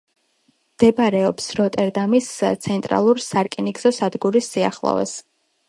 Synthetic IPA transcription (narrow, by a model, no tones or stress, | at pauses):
md̪̥ɛbaɾɛɔpsɾɔt̪ʼɛɾd̪amist̪sʰɛnt̪ʼɾa̰lˠuɾsaɾkʼiniɡzɔsad̪ɡuɾisːia̰χlˠɔ̰vɛ̰s